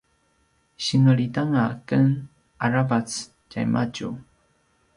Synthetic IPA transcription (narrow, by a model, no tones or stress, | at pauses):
ɕinəɭidaŋakən | aɾavat͡s | cajmʔaɟṵ